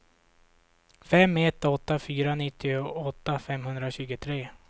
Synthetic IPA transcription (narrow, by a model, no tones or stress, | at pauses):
fɛmːɛt̪ːɔt̪ːafyːɾanɪt̪ʰːɪʊɔt̪ːafɛmhɵnd̪ɾaɕʉ̟ːɡət̪ʰɾeː